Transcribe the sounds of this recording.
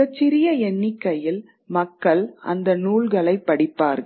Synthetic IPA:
ɐt͡ʃːɪɾɪjɐɛɳːɪkːɐjɪl | mɐkːɐɭɐ̰nd̪ɐnuːɭɣɐɭɐɪpːɐɽɪpːaːɾɣɐ

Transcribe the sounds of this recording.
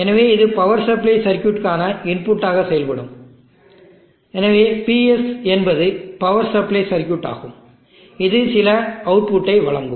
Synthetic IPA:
ɛnɐʋeːɪðɯpɐʋɐɾsɐɾplɐɪsɐɾkjuːʈkaːnɐɪnpʊʈːaːɣɐsɛjɐlpɐɽɯ̰m | ɛnɐʋeːpiɛsɛnbɐðɯpɐʋɐɾsɐɾplɐɪsɐɾkjuʈːa̰ːɣɯm | ɪðɯsɪlɐɐʊʈ̚pʊʈːɐɪʋɐɭɐŋɡɯm

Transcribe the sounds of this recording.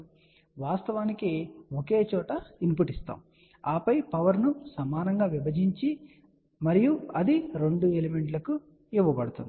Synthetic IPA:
ʋaːst̪ɐʋaːnikeoke̞ːt͡ʃɔːʈɐimpuʈist̪a̰ːm | aːpɐjpɐʋɐɾnusɐmaːnɐŋɡaːʋibɐd͡ʒiɲt͡ʃi | mɐɾijuɐd̪iɾe̞ɳɖueleme̞ɳʈlɐku | iʋːɐbɐɽut̪ṵnd̪i

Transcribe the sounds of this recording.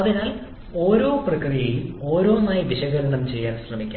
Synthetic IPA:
ɐðinaːl | o̞ːɾo̞ːprɐkrijɐjumo̞ːɾo̞ːnaːjibiɕɐɣɐɣɐɳɐmt͡ɕe̞jːaːnɕrɐmikʲːa̰

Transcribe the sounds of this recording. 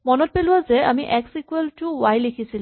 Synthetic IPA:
mɔnɔt̚pelʊwazɛamiʔɛksikueltʊwajlekʰisil

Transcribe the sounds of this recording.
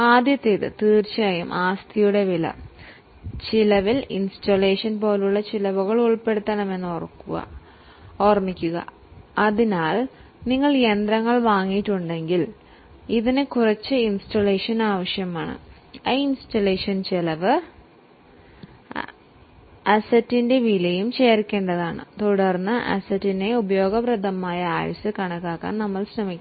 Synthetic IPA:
aːd̪jɐt̪ːeðɨ̰t̪iːrt͡ɕaːjɐmʔaːst̪ʰijuɽe̞ʋilɐ̰ | t͡ɕilɐʋilḭnstole̞ːʂɐnpo̞ːluɭːɐt͡ɕilɐʋuɣɐɭuɭpe̞ɽut̪ːɐnɐme̞nːorkːuɣɐ̰ | oːrmikʲːuɣɐ̰ | ɐðinaːl | niŋːɐɭend̪rɐŋːɐɭʋaːŋːijʈːuɳɖe̞ŋɡil | iðinɨkurɐt͡ɕːɨinsʈɐleːʂɐnaːʋɐʂjɐmaːɳɨ̰ | ɐinstɐleːʂɐnt͡ɕelɐʋɨ | ɐsɐtːinde̞ʋilɐjumt͡ɕeːɾikʲːe̞ːɳɖɐðaːɳɨ̰t̪uɽɐrnːɨʔɐ̰sɐtːine̞ubɐjo̞ːɡɐbrɐd̪ʱɐmaːjɐa̰ːjɐ̰sɨkɐɳɐkːaːkːa̰ːnnɐmːɐɭɕrɐmikʲː

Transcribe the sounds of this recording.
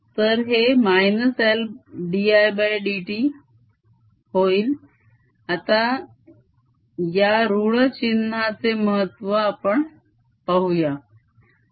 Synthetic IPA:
t̪əɾɦemajnəselɖiajbajɖiʈi | hoiːl | at̪a | jaɾuɭət͡ɕinːat͡seməɦət̪ːʋəːpəɳ | pəɦuja

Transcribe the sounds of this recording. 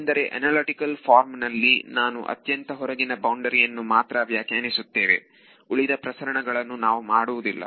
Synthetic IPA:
nd̪ɐɾe̞ʔɐ̰naːlɐʈikɐlfʰaːɾmnɐlːinaːnṵʔɐ̰t̪jɐnt̪ɐɦɔɾɐɡinɐbɐwɳɖɐɾijɐnːumaːt̪ɾɐːʋjaːkaːnisut̪ːe̞ːʋe̞̰ | uɭid̪ɐpɾɐsɐɾɐɳɐɡɐɭɐnːunaːʋumaːɽuʋud̪ilːɐ̰

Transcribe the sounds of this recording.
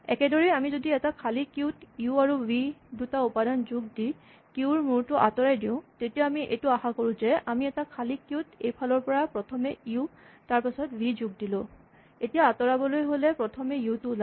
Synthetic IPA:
ɛ̰kɛdɔɹɛamizodiɛtakʰalikjutiuaɹuwidutaupadanzuɡ̚di | kiuɹmuɹtʊʔa̰tɔɹajdiʊ̃tetiɛamiʔḛtuaxakoɹʊ̃zɛʔamiɛtakʰalikjutejpʰalɔɹpɔɹapɹɔtʰɔmɛiu | taɹpasɔtbizuɡ̚dilʊ̃ | etijaːtɔɹabɔlojɦolɛpɹɔtʰɔmɛiutula

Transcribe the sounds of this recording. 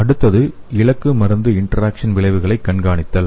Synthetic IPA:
ɐɽɯt̪ːɐðɯɪɭɐkːɯmɐɾɐnd̪ɯɪɳʈɐɾaːkʂɐnʋɪɭɐɪʋɯɣɐɭɐɪkːɐɳɡaːɳɪt̪ːɐl

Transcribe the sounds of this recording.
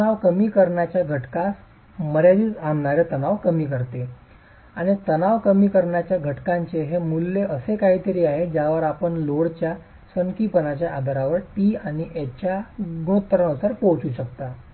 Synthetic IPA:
naʋkəmiːkəɾɳjat͡ɕjaɡʱəʈkas | məɾjad̪iːt͡samɳaɾjat̪ənaʋkəmiːkəɾt̪e | aɽ̃it̪ənaʋkəmiːkəɾɳjat͡ɕjaɡʱəʈkãɲt͡ɕeɦemulːeəsekaɦiːt̪əɾiːaɦed͡ʑjaʋəɾapəɳloɽt͡ɕja | səŋkiːpənat͡ɕjaʔad̪ʱaɾaʋəɾʈiːañiʔet͡ɕjaɡɽ̃ut̪ːəɾɳəsəɾkot͡ɕuːɕəkt̪a

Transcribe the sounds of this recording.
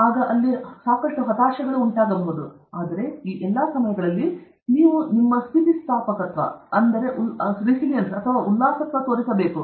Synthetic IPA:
aːɡɐʔɐlːisaːkɐʂʈuɦɐt̪aːʃɐɡɐɭuːɳʈaːɡɐmbud̪u | aːd̪ɐɾe̞iːʔɛlːɐsɐmɐjɐɡɐɭɐlːi | niːʋunimːɐst̪ʰit̪isʈ̪aːpɐkɐt̪ʋɐ̰ɐnd̪ɐɾe̞ʔuɾisiljɐnsɐt̪ʰɐʋaːʔulːaːsɐt̪ʋɐt̪oːɾisɐbe̞ːku

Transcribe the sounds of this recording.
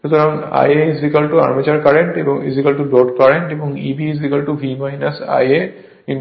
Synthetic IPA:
ʃut̪ɔɾaŋa̰jeizʋikəlʈua̰ɾmit͡ɕɐɾkaɾeɳʈebɔŋḭzikəlʈubɾɔʈkaɾẽɳʈebɔŋibiːzʋikɐlʈuʋʱimajnɐsa̰je | iɳ

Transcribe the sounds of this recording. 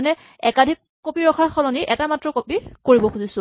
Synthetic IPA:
nɛ | ɛkadʱikːopiɹɔxʰaɹxɔlɔniʔɛtamatɹɔkopikoɹibɔxʰuzisʊ̃

